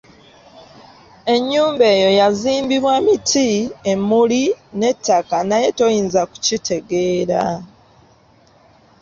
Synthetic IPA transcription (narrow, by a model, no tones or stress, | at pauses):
e̞ɲːuːmbe̞ːjo̞jaziːmbiβwamitʰiemːuline̞tːakanaje̞to̞jiːnzaku̥citʰe̞ɡe̞ːɾa